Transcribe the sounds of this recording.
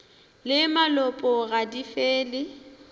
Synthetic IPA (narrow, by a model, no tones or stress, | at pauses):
lɪmalɔpʼɔɣadifeːlɪ